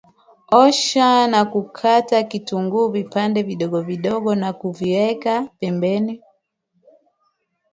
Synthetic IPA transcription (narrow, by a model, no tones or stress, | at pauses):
ɔʃanakukʰatakituŋɡuvipandɛviɗɔɡɔviɗɔɡɔnakuviwɛkapɛmbɛni